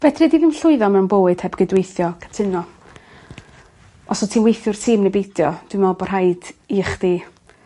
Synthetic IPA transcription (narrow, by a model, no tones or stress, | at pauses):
vɛdridiðɪmɬʊɨðɔmɛwnbowɨd̥hɛbɡɨdwejθjɔkʰḁtʰɪnɔ | ɔsɔtʰiːnwejθjʊr̥tʰiːmnɛbejd̥jɔd̥wɪmɛlˠbɔr̥ɦajd̥iχd̥iː